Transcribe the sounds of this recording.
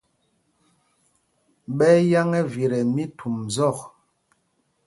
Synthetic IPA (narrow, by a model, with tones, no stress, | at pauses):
ɓɛ˦ja˦ŋɛ˦vi˨ɾɛ˨mi˦tʰu˨mzɔ˦˨k